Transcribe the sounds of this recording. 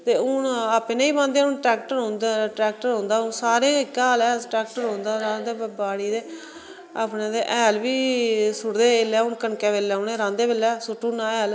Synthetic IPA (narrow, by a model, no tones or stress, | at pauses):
t̪eːʊnapeːneːiːbãːnd̪eɛːʊnʈɾɛːkʈəɾɦõːnd̪aʈɾɛːk̚ʈəɾɦõːnd̪aːʊnsaːɾẽkːaːlɛːsʈɾɛːk̚ʈəɾɦõːnd̪aːɾãːd̪eːbaːɽiːd̪eː | aːpnẽːd̪eːʔɛːlʋiːsʊɽd̪eːlɛːʊɳkəɳkɛːʋeːlːɛːʊneːɾãːnd̪eːʋeːlːɛːsʊʈːũːnãːɛːl